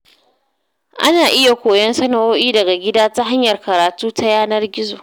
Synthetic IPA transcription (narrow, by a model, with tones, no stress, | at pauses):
ʔa̰˦naː˨ʔɪ˦ja˨kʷoː˨jɐ˦nsɐ˦nɐ˨ʔoː˦ʔiː˦dɐ˨ɡa˨ɡʲɪ˦daː˦ta˦ɦa˦ɲjɐ˨rkɐ˨ɾaː˨tuː˦ta˦jaː˦nɐ˦rɡʲɪ˦zoː˨